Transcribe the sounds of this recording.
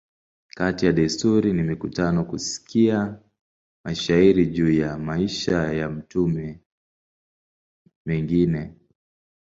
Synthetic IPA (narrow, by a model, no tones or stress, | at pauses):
katijaɗastuɾinimikutanɔkusi̥kʰia | maʃaiɾiʄuːjamaiʃajam̩tumɛ | mɛŋɡinɛ